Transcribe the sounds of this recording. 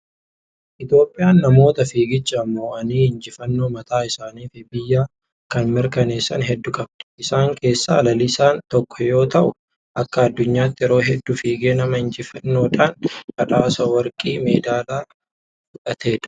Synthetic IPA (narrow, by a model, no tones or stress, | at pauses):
ʔɪt̪jo̞ːpʼːɪjaːnːɐmo̞ːt̪ɐfiːɡɪt͡ʃːɐmːo̞ːʔɐniːhɪnd͡ʒɪfɐnːo̞ːmɐt̪aːɪsaːniːfɪbɪjːaː | kɐnmɪɾkɐne̞ːsːɐnɦɛd̪ːʊkʼɐb̚d̪ɛ̥ʔɪsaːŋkʰe̞ːsːa̰ːlɐlɪsaːnt̪ɔkːɔ̥jo̞ːt̪ɐʔʊ | ʔɐkːɐɐd̪ːʊɲːaːt̪ːɪɛɾo̞ːɦɛd̪ːʊfiːɡeːnɐmɐhɪɲd͡ʒɪfɐnːo̞ːᶑ̪aːnɐᶑaːsɐwɐɾkʼiːme̞ːd̪aːlaː | fʊᶑʼɐt̪ʰe̞ːᶑ̪ɐ̥